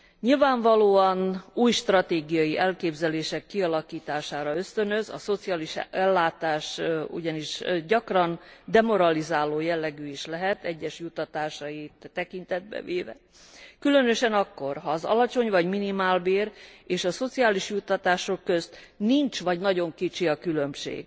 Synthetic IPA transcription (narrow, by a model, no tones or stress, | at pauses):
ɲilvaːɱvɒloːɒnuːjʃt̪rɒt̪eːɡijɒjiʔɛlkeːbzɛleːʃɛkːiɒlɒkiːt̪aːʃaːɾɒøst̪ø̞nøzɒ̰so̞t̪sijaːliʃɛlːaːt̪aːʃṵɟɒniʃɟɒkrɒnd̪ɛmo̞ɾɒlizaːloːjɛlːɛɡyːiʃlɛɦɛt̪ɛɟːɛʃjut̪ːɒt̪aːʃɒjit̪ːɛkint̪ɛd̪̚bɛ̰veːvɛ̰ | kylønø̞ʃɛnɒkːo̞rɦɒːzɒ̰lɒt͡ʃo̞ɲvɒɟminimaːlbeːɾeːʃɒso̞t̪sijaːliʃjut̪ːɒt̪aːʃo̞kːø̞zt̪niɲt͡ʃʋɒɟnɒɟo̞ŋkit͡ʃiɒkylø̞mʃḛːɡ̥